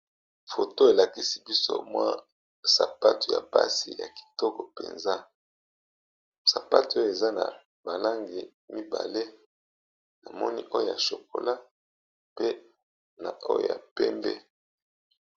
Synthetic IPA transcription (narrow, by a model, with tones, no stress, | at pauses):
fo˨to˦e˨la˨ki˦si̥˦bi˦so̰˦mwa̰˦ | sa˨pa˦tu˨ja̰˨pa̰˦si˨ja̰˨ki̥˨tɔ˦kɔ˨pe˨nza˦ | sa˨pa˦tu˨o˦jo˨e˨za˦na̰˨ | ba˨la˦ŋɡi˨ | mi˦ba̰˨le˦ | na˨mɔ˦ni˦ʔo˦jo˦˨ja˨ʃo˨ko̰˨la˦ | pe˦ | na˨o˦jo̰˦˨ja̰˨pɛ˦mbɛ̰˦